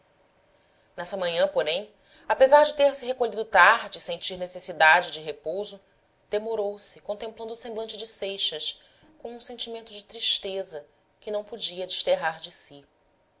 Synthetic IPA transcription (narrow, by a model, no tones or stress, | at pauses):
nɛsɐmɐ̃ɲɐ̃poɾẽj̃ | apezaɾd͡ʒɪt̪eɾsɪɦekolʎid̪ʊt̪aɾd͡ʒɪsẽnt͡ʃiɾnesesid̪ad͡ʒɪd͡ʒɪɦepowzʊ | d̪̥emoɾowsɪkõnt̪ẽmplɐ̃nd̪ʊsẽmblɐ̃nt͡ʃɪd͡ʒɪsejʃɐʃ | kõw̃ũsẽnt͡ʃimẽnt̪ʊd͡ʒɪt̪ɾiʃt̪ezɐ | kɪnɐ̃w̃pod͡ʒiɐd͡ʒɪʃt̪eɦaɾd͡ʒɪsi